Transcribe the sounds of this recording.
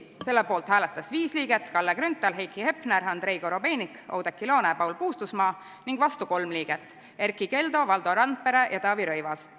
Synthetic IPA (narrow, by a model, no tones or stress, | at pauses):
se̞lːepo̞ːlt̪hæːlet̪ːˑɑsviːsliːɡe̞t̪ːˑkɑlːekɾynt̪ːˑɑlɦejkːˑihe̞pneɾɑnd̪̥ɾe̞jɡ̥o̞ɾo̞be̞ːniko̰wd̪̥ekːˑilo̞ːnepɑwlpuːst̪usmɑː | niŋɡ̥vɑst̪uko̞lmliːɡ̥et̪ːˑ | e̞rkˑike̞ld̪o̞vɑld̪o̞ɾɑn̚pe̞ɾe̞jʔɑt̪ɑːviɾɤjvɑs